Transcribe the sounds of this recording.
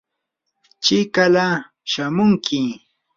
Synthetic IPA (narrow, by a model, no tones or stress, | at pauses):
t͡ʃɪkala | ʃamʊŋkʰɪ